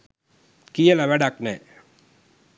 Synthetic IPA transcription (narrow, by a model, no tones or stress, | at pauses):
kijəlaʋɛɖaknɛ